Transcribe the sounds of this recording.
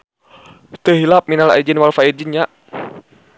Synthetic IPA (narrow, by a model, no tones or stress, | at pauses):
t̪əɦilap̚minala̰id͡ʒənwalfaid͡ʒiɲaʔ